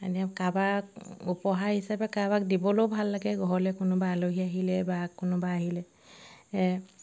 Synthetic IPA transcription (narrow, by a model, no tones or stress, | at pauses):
aniakabakupɔɦaɹhisapɛkabakdibɔlowbʱalːaɡɛɡɔɦɔlɛkʊnʊbaaloɦiaɦilɛbakʊnʊbaːɦilɛ | ɛ